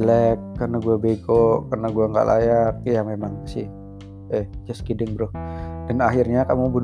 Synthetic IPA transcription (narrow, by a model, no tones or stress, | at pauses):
lɛkːərnaɡuabeɡokərnaɡuaŋɡa̰ʔlʔa̰jak̚jamemaŋsɪ̰h | ɛhd͡ʒəskidɪŋbɾʊhd̥anaɦɪrɲakamubun